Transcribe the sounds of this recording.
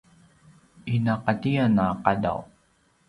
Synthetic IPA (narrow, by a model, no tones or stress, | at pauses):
ʔinaqatianaqada̰w